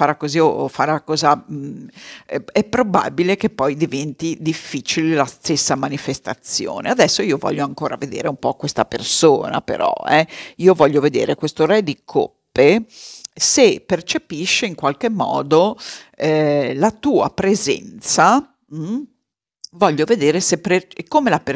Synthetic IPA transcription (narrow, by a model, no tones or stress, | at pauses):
faɾakːoziofaɾalakɔːza | ɛpːɾoba̰bilek̟epːɔjd̪ivɛnt̪id̪ifːit͡ʃilelast̪esːamanifest̪at̪sjo̰ːnead̪ɛsːoiːovɔ̰ʎːoaŋkoːɾa̰ved̪ḛːɾeumpɔkːwest̪apḛrsoːna̰pḛɾɔ̰ɛiːovɔʎːoved̪ḛːɾekwest̪oɾɛd̪ikʰo̰pːe | sepert͡ʃepiʃːeiŋkwalk̟emːɔ̰ːd̪oɛlat̪uːa̰pɾezɛ̰nt̪sa | vɔʎːoved̪eːɾesepekːomelape